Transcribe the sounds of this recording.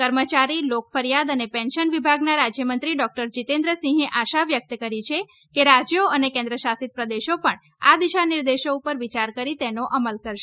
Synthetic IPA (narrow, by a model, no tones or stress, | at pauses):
kəɾmət͡ʃaɾilokfəɾijad̪ənepɛ̃nʃənʋibʱaɡnaɾad͡ʒjəmənt̪ɾiɖɔk̚ʈəɾd͡ʒit̪ẽnd̪ɾəsĩɦeʔaʃaʋjək̚t̪əkəɾit͡ʃʰe | keɾad͡ʒjoənekẽnd̪ɾəʃasit̪̚pɾəd̪eʃopəɳ | ad̪iʃaniɾd̪eʃoupəɾʋit͡ʃaɾkəɾit̪enoʔəməlkəɾʃe